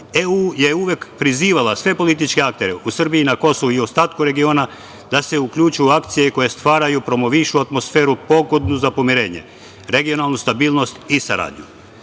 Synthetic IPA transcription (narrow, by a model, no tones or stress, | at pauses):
euje̞uʋekpɾiziːʋalasʋe̞po̞lit̪it͡ʃke̞ak̚t̪e̞ɾe̞ʔusr̩biiːnako̞soʋuiost̪aːt̪kuɾe̞ɡio̞ːna | d̪̥ase̞ukʎut͡ʃujuakt̪sije̞ko̞je̞st̪ʋaːɾajupɾo̞mo̞ʋiʃuat̪mo̞sfe̞ːɾupo̞ɡo̞d̪nuzapo̞miɾe̞ːɲe̞̰ | ɾe̞ɡio̞nalˠnust̪abiːlˠno̞st̪isaɾa̰ːd̪ɲu